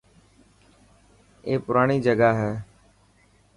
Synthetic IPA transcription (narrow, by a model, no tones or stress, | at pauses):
eːpʊɾaːɽ̃iːd͡ʒəɡaːɦɛː